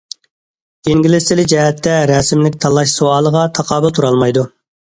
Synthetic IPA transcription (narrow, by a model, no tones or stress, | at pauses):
iŋɡʲilɪsɪlɪd͡ʒɛɦɛt̪ʰːɛɾɛsɪmlɪk̚ʲt̪ʰɑlˠɑʃsoɑːlˠəʁɑt̪ʰɑqʰɑːbɨlˠt̪ʰuɾɑlˠmɑjd̪u